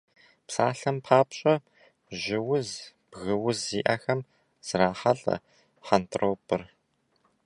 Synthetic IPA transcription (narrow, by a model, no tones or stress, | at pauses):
psaːɬɐmpʰaːpɕʼɐ | ʑɪwʊzb̥ɣɨwʊzːiːʔaxɐm | z̥ɾaːħɐɮɐ̰ | ħantʰroːpʰʼɨr